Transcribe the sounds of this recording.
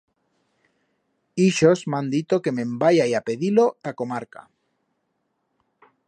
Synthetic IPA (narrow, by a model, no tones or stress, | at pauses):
iʃozmãnd̪it̪oke̞mẽmbajajapeðilot̪akomaɾka̰